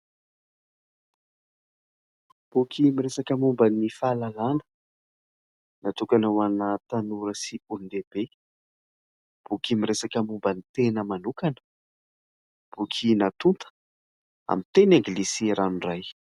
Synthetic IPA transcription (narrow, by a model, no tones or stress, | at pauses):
b̥ukʲʰimiresakəmumbənifalalanə̥ | nat̪ukanawanat̪anuɾəsiund̪ebe | b̥ukʲimiɾesakəmumbənit̪enəmanukanə̥ | b̥ukʰinat̪unt̪ə̥ | a̰mit̪enaŋɡilisiɾanuraj